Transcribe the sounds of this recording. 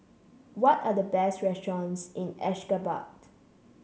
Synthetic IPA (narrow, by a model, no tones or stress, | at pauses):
wɔtadəbɛstɹɛstɹɔ̃nsɪ̃nɛʃkəba̰t